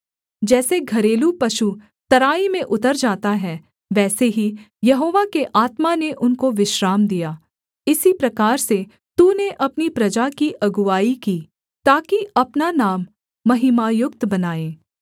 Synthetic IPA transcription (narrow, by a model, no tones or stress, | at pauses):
d͡ʒɛːseɡʱɐɾeːlupɐʃu | t̪ɐɾaːimẽʔʊt̪əɾd͡ʒaːt̪aɦɛ | ʋɛːseɦi | jɐɦoːʋakeʔaːt̪maneʔʊnkoʋɪʃɾaːmd̪ijaː | ɪsipɾɐkaːɾse | t̪uneʔɐpnipɾɐd͡ʒakiʔɐɡʊʋaːikiː | t̪aːkiɐpnanaːmː | ɐɦɪmaːjʊkt̪bɐnaːẽː